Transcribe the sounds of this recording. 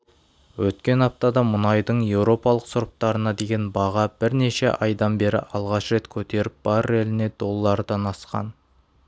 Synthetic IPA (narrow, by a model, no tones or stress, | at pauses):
wɵt̪kʲe̞nɑp̚t̪ɑd̪ɑmʊnɑjd̪əɴje̞wɾo̞pɑlˠəqsʊɾp̚t̪ɑɾənɑd̪e̞ɡʲe̞nbɑʁɑb̥ɪɾne̞ʃe̞ʔɑjd̪ɑnbe̞ɾɪ̰ʔɑlˠʁɑʃɾe̞t̪kʲʰɵt̪e̞ɾɪp̚b̥ɑɾelɪne̞d̪̥o̞lˠːɑɾəd̪ɑnɑsqɑ̰n